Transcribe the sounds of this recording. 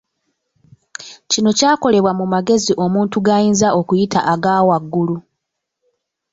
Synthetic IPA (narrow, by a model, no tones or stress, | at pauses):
cino̞caːko̞le̞βwamumaɡe̞ziʔo̞muːntuɡaːjiːnzaʔo̞kujitʰa̰ʔaɡaːwaɡːulu